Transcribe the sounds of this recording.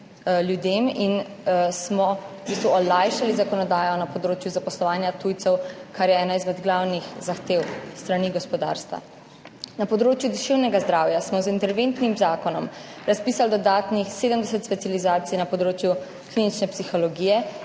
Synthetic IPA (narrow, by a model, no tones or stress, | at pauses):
ljud̪eːminsmɔbist̪ʋuɔlajʃalizakɔnɔd̪aːjɔnapɔd̪ɾoːt͡ʃjuzapɔslɔʋaːnjat̪uːjt̪sɛwkaɾjɛɛːnaizmɛd̪ɡlawnixzaxt̪eːwst̪ɾaniɡɔspɔd̪a̰ːɾst̪ʋa̰ | napɔd̪ɾoːt͡ʃjud̪ɛʃewnɛɡazd̪ɾaːwjasmɔzint̪ɛɾʋeːnt̪nimzaːkɔnɔmɾaspiːsald̪ɔd̪aːt̪nixseːd̪əmd̪ɛsɛt̪spɛtsjalizaːt̪sijnapɔd̪ɾoːt͡ʃju | klinit͡ʃnɛpsixɔlɔɡijɛ